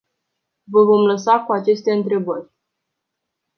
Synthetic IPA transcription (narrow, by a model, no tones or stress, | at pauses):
vəvo̞mləsakuat͡ʃe̞st̪e̞ɨnt̪ɾe̞bərʲ